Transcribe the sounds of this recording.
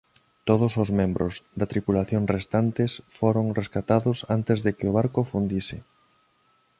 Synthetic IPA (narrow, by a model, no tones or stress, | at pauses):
t̪oð̞ʊsozmẽmbɾʊzðat̪ɾipulaθjoŋrest̪ant̪ɪsfoɾoŋreskat̪aðʊsant̪ezðekɪʊβ̞aɾkofund̪isɪ